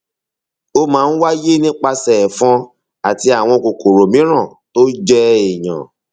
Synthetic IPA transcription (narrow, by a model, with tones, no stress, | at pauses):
o˦mãː˨˦˧n̩˦wa˦je˦nĩ˦k͡pa˧sɛ˨fɔ̃˧ | a˨ti˧a˨w̃ɔ̃˧ko˨ko˨ɾo˨mĩ˨˦ɾ̃ã˦˨ | to˦d͡ʒɛ˦e˨j̃ã̰˨